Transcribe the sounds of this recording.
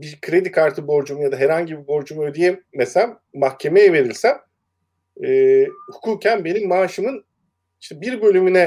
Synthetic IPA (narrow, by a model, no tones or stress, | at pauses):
bikʰɾe̞d̪ikʰaɾt̪ʰɯbo̞ɾd͡ʒumujad̪aɦɛɾhaɲɟibibo̞ɾd͡ʒumuød̪ijemːesæm | maxcʰe̞mejɛve̞ɾilʲsæn | ɛːhukʰuːcʰænbe̞nimːaːʃɯmɯn | iʃt̪ʰɛbiɾbø̞lʲymynɛ